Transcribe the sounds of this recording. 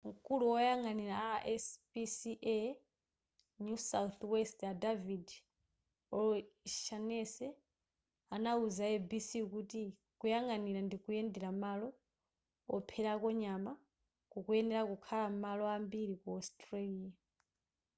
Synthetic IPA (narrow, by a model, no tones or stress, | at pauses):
ŋ̩kʼuluwɔjaŋaniɾaʔɛspisiʔɛ | nusawθwɛstadavid | ɔlʃanɛsɛ | anauzaɛbisikuti | kujaŋaniɾandikujɛndɛɾamalɔ | ɔpʰɛɾakɔɲama | kukujɛnɛɾakukʰalamalɔambiɾikuɔstʼɾaliːja